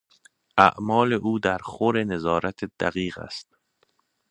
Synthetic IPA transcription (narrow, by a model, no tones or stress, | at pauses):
ʔæ̰ʔmɒːleʔuːd̪æɾxoɾenezɒːɾæt̪ʰed̪̥æ̰ɣiːɣæ̰st̪̚